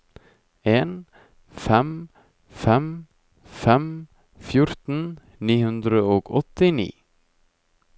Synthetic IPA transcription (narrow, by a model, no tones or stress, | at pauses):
eːn | fɛm | fɛm | fɛm | fjʊɾt̪n̩ | niːhʉnd̪ɾəoːɡɔt̪ɪnḭː